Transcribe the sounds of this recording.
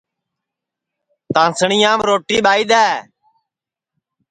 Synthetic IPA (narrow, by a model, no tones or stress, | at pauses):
t̪ãːsəɳɪjãːmɾoːʈiːɓaːiːd̪ɛː